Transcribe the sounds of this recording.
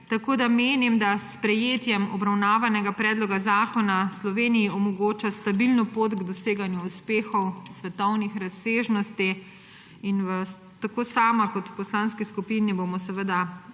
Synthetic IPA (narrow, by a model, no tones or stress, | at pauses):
t̪akoːd̪ameːnimd̪aspɾɛjeːt̪jɛmɔbɾawnaːʋanɛɡapɾɛːd̪lɔɡazaːkɔnaslɔʋeːnijiɔmɔɡoːt͡ʃast̪abilnɔpot̪ɡd̪ɔseːɡanjuuspeːxɔwsʋɛt̪ɔwnixɾaseːʒnɔst̪i | inʋə | t̪akoːsaːmakɔt̪wpɔslanskiskupinibomɔsɛʋəd̪a